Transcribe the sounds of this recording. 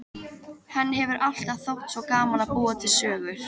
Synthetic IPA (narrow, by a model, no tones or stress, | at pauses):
hɛnːɪɦɛvʏɾʔal̥t̪aðθowht̪svɔkaːmanapuːat̪ʰɪlsœːɣʏɾ̥